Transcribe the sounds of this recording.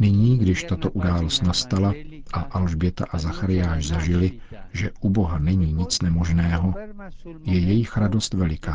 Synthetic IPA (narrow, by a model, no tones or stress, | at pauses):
nɪɲiːɡdɪʃt̪at̪o̞ʔudaːlost̪nast̪alaʔaʔalʒbjɛt̪a̰ʔazaxaɾɪjaːʃzaʒɪlɪ | ʒɛʔubo̞ɦanɛɲiːɲɪt͡snɛmo̞ʒnɛːɦo̞ | jɛjɛjɪxɾado̞st̪vɛlɪkaː